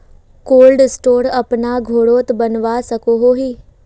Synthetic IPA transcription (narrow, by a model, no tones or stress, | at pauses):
koːlɖsʈoːɾəpnaːɡʱoːɽoːt̪bənʋaːsəkoːɦoːɦiː